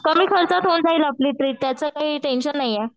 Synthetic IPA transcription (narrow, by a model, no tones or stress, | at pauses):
kəmiːkʰəɾt͡sat̪ɦond͡zailapliːt̪ɾiːt̪ːjat͡səkaɦiːʈenɕənːaɦjjɛ